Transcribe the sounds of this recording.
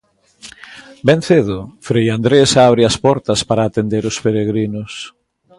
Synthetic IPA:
bẽn̟θeðʊfɾejand̪ɾesaβɾɪɐspɔɾt̪ɐspaɾaːt̪end̪eɾʊspeɾeɣɾinʊs

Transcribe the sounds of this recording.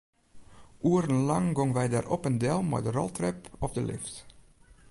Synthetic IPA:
ʔuːəɾənlɑŋɡɔŋʋɛjda̰ːrʔɔpəndɛlˠmɛ̰jdərɔ̰lˠtrɛpɔpdəlɪ̰ft

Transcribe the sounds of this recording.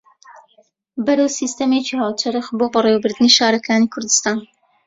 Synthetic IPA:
bɐɾɐwsiːst̪ɐmeːt͡ʃihaːwt͡ʃʰɐɾɨxboːbɐrewbɨɾd̪ɨniʃaːɾɐkʰaːniːkʰʊɾd̪ɨst̪aːn

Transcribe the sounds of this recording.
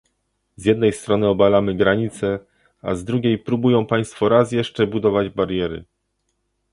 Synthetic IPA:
zjɛd̪̚nɛjst̪ɾɔnɘɔbalamɘɡɾaɲit̪sɛ | a̰zd̪ɾuɡʲejpɾubujɔ̃w̃paj̃st̪fɔɾas̬jɛʂt͡ʂɛbud̪ɔvad͡ʑbaɾjɛɾɘ̰

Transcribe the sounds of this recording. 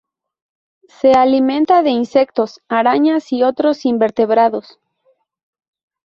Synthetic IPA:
se̞alimẽ̞nt̪aðe̞inse̞kt̪o̞saɾaɲasiot̪ɾo̞simbe̞ɾt̪e̞βɾaðos

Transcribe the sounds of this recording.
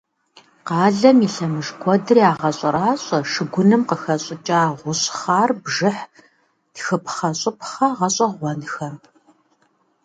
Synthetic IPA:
qɑːɮɐmiɬɐmɨʐɡʷɔdɨriaːʁɐɕʼɐɾaːɕʼɐʂɨɡʷʊnɨmqəxɐɕʼɪt͡ʃʼaːʁʷʊɕχaːrbʒɨħ | txɨpʰχɐɕʼɪpχɐʁɐɕʼɐʁʷɔnxɐm

